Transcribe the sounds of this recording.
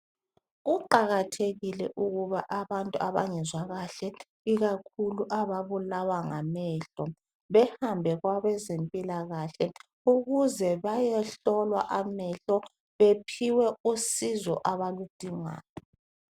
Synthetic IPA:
ɣuǃaɣatʰeɣilɛʔuɣuβaʔaβantʼuaβaŋɛzwaɣaɬɛ | iɣakʰuluʔaβaβulawaŋa̰mɛːɬɔ | βɛhambʱɛɣwaβɛzempʼilaɣaɬɛ | uɣuzɛβajɛɬɔlwa̰ʔamɛɬɔ | βepʰiwɛusizɔ̰ʔaβalud̥ʱiŋa̰ːjɔ

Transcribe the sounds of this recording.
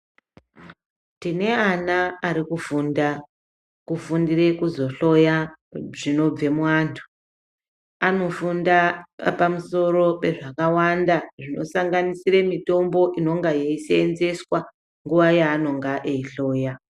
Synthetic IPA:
tine̞anaːɾikufunda | kufundire̞kuzo̞ɬo̞ja | ʐino̞b͡ve̞mwaːntʰu̥ | ano̞fundapamuso̞ɾo̞pe̞ʐakawandaʐino̞̰saŋɡanisiremito̞mbo̞ʔino̞ŋɡajeiseːnze̞swa | ŋɡuʋajaːno̞ŋɡaʔeiɬo̞ːja

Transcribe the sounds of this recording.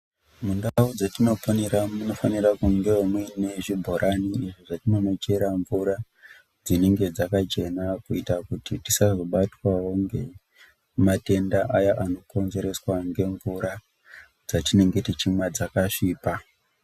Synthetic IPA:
mundaud͡zetino̞poneramuno̞fanirakuŋɡe̞omwine̞ʐibʱoɾaniiʐiʐatino̞not͡ʃe̞ɾaɱvuɾa | d͡zine̞ŋɡe̞d͡zakat͡ʃe̞nakuitakutitisazo̞ɓatwawo̞ŋɡe̞ | mate̞ndaʔajaʔano̞ko̞nze̞ɾe̞swaŋɡe̞ɱvuɾa | d͡zatine̞ŋɡetit͡ʃimwad͡zakaʂiːpa

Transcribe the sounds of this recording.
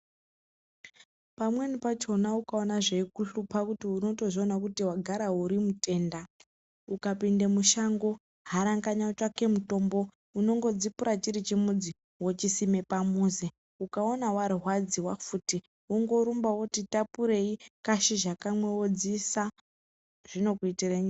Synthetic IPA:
pamwe̞nipat͡ʃo̞naukao̞naʐekuɬupakutiuno̞to̞ʐionakutiwaɡʱaɾauɾimute̞ːnda | ukapinde̞muʃaŋɡo̞ | ɦaɾaŋɡaɲat͡ʃake̞muto̞mbo̞ | uno̞ŋɡo̞d͡zipuɾat͡ʃiɾit͡ʃimud͡zi | wot͡ʃisime̞pamuze | ukao̞nawarɦwad͡ziwafuti | uŋɡo̞ɾumbawotitapuɾe̞ikaʃiʒakamwe̞wod͡zisa | ʐ̥ino̞kuitireɲi

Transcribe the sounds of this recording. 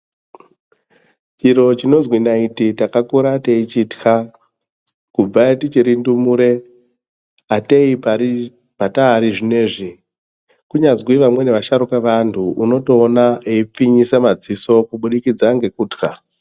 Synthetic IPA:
t͡ʃiɾo̞t͡ʃino̞nzwinaititakakuɾateit͡ʃiːtxa | kub͡vaetit͡ʃiɾindumuɾe̞ | atei | pataːɾiʐine̞ːʐi | kuɲazwiʋamwe̞ne̞ʋaʃaɾukeʋantʰuuno̞to̞ːnaeip͡fiɲisamad͡ziso̞kuɓuɗikid͡zaŋɡe̞kuːtka

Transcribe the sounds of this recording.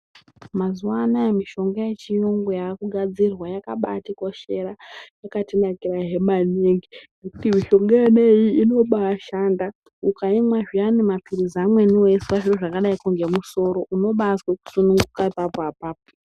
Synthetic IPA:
mazuwanajemiʃo̞ŋɡajet͡ʃijoŋɡojakuɡʱad͡zirwajakaɓa̰tiko̞ʃe̞ɾajakatinakiraɦe̞maneŋɡine̞kutimiʃo̞ŋɡaene̞jiino̞ɓaːʃaːnda | ukaimwaʐianemapirizamwe̞niwiswaʐiroʐakaɗaikuŋɡe̞muso̞ɾo̞ʔuno̞ɓasweku̥sunuŋɡukaipapoapaːpo̥

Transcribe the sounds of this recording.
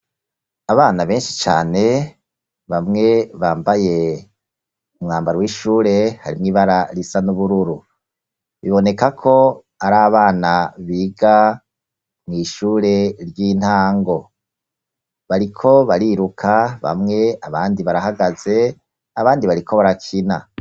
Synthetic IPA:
aβaːnaβe̞ːnʃi̥t͡ʃa̰ːne̞ | βamŋe̞βaːmbaje̞ | umŋaːmbaɾwiʃuːɾe̞haɾimŋiːβaɾaɾisanuβuɾuɾu | βiβo̞ne̞kakʰo̞ | aɾaːβaːnaβiːɡa | mŋiːʃuːɾe̞ɾjiːn̥haːŋɡo̞ | βaɾikʰo̞βaɾiɾukʰaβa̰mŋe̞aβaːndiβaɾahaɡaze̞ | aβaːndiβaɾikʰo̞βaɾakʰina

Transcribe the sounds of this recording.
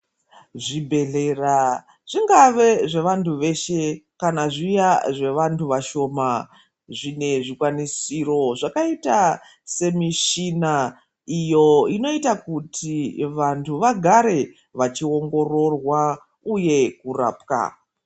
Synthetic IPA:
ʐibʱe̞ɮera | ʐ̥iŋɡaʋe̞ʐe̞ʋantʰuʋe̞ʃe̞kanaʐijaʐe̞ʋantʰuʋaʃo̞ma | ʐine̞ʐikwanisiro̞ʐakaita | se̞miʃina | ijo̞ino̞itakutʰiʋantʰuʋaɡʱaɾe̞ | ʋat͡ʃio̞ŋɡo̞ro̞rwa | uje̞kura̰ːpka̰

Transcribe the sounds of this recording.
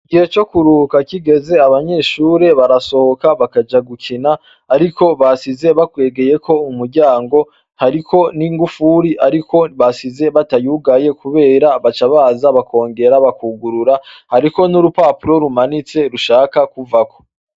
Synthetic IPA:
ɡihe̞t͡ʃo̞kuɾukakiɡe̞ze̞aβaɲe̞ːʃuːɾe̞βaɾaso̞hokaβakad͡ʒaɡukʰinaː | ɾiko̞βasize̞βakwe̞ːɡe̞je̞kʰo̞umuɾɟaːŋɡo̞ | haɾiko̞niŋɡufuɾiʔaɾiko̞βasize̞βatajuɡaje̞kʰuβe̞ːɾaβat͡ʃaβaːzaβakʰo̞ːŋɡe̞ɾaβakuɡuɾuɾahaɾiko̞nuɾupaːpuɾo̞ɾumanit͡se̞ɾuʃaːkakuvako̞

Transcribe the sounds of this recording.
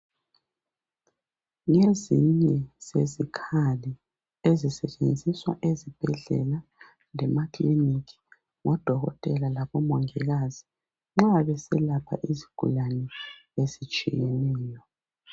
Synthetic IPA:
ŋeziɲɛz̥ezikʰali | ezisɛt͡ʃʼend͡zʱiswa̰ʔezib̥ʱɛɮɛ̰la | lɛmakliniki̥ | ŋɔd̥ʱɔɣɔ̰tʼɛlalaβɔmɔŋɛɣazi | ŋ͡ǁaaβɛsɛlapʰa̰ʔiziɡ̥ʱṵlanɛezit͡ʃʼijɛnɛːjɔ

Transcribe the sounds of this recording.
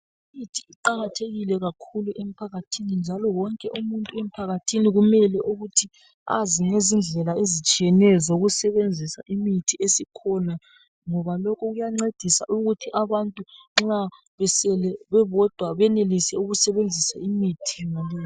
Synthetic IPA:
imitʰiiǃaɣatʰeɣilɛɣakʰuluʔem̩pʰaɣatʰinind͡ʒʱalɔwɔŋkʼɛʔumuntʼuem̩pʰaɣatʰiniɣumɛlɛʔuɣutʰi | a̰ziŋezind͡ɮʱɛlaezit͡ʃʼijɛnɛzoɣusɛβend͡zʱisa̰ʔimitʰiesikʰɔna | ŋɔβalɔkʰɔɣujaŋ͡ǁed̥ʱisa̰ʔuɣutʰiʔaβantʼuŋ͡ǁa | βɛsɛlɛβɛβɔd̥ʱwaβɛnelisɛuɣusɛβend͡zʱisaimitʰinalɛː

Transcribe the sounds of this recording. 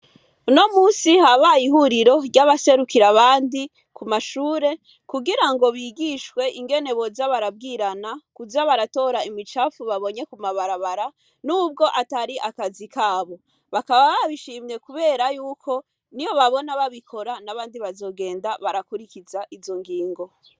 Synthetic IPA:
uno̞muːsihaβajihuɾiɾo̞ɾɟaβase̞ɾukiɾaβaːndi | kumaʃuːɾe̞ | kuɡiɾaŋɡo̞βiɡiʃwe̞ʔiŋɡe̞ne̞βo̞zaβaɾab̚ɡiːɾanakuzaβaɾato̞ɾaimit͡ʃafuβaβo̞ɲe̞kumaβaɾaβaɾa | nuːb̚ɡo̞ʔataɾiʔakazikʰaːβo̞ | βakaβaβaβiʃiːmɲe̞kuβe̞ːɾajuːkʰo̞ | nijo̞βaβo̞naβaβikʰo̞ɾanaβaːndiβazo̞ːɡe̞ːndaβaɾakuɾikizaʔizo̞ŋɡiːŋɡo̞

